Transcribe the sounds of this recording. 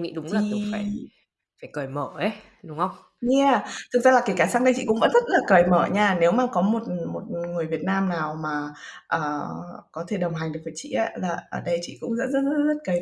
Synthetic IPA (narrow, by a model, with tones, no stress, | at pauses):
ŋḭ˧˥ɗʊ˨˦ŋ͡mlaː˨˩ɨ˧˩faː˧˩j | faː˧˩jkəː˨˩jməː˧˩ʔə˨˦j | ɗʊ˨˦ŋ͡mhə˧wŋ͡m | ɲi˧a˨˩t̪ʰɨ˨˩k̚zaː˧laː˨˩ka˨˦kaː˨˩saː˧˥ŋɗə˧t͡ɕḭ˧˨kʊ̰˧˥ŋ͡mvə̰˧˥nzə˦˥t̚laː˨˩kəː˨˩jməː˧˩ɲaː˧ne˨˦wmaː˨˩kɔ˨˦mo˨˩t̚mo˨˩t̚ŋɨ˨˩əjvi˨˩ət̚naː˧mnaː˨˩wmaː˨˩ | ʔəː˨˩kɔ˨˦t̪ʰe˧˩ɗə˨˩wŋ͡mɦa˨˩ŋɨ˨˩k̚vəː˨˦jt͡ɕḭ˧˨ʔaː˨˦laː˨˩ʔəː˧˩ɗə˧jt͡ɕḭ˧˨kʊ̰˧˥ŋ͡mzə̰ː˧˥n̚zə˦˥t̚zzə˦˥t̚kəː˨˩